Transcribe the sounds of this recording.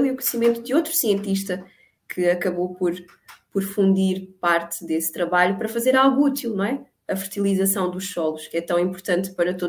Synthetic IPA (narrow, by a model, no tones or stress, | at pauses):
lˠiukuɲsimẽnt̪ud̪ɨot̪ɾu̥siẽnt̪iʃt̪ɐ | kʰɨɐkɐβopɔɾ | pɔɾfũnd̪iɾpaɾt̪ɨðest̪ɾɐβaʎupɐɾɐfɐzeɾalˠɣuut̪ilˠnɐ̃w̃ɛ | ɐfɨɾt̪ilˠizɐsɐ̃w̃d̪uʃsɔlˠuʃkɛt̪ɐ̃w̃ĩmpuɾt̪ɐ̃nt̪pɐɾɐt̪o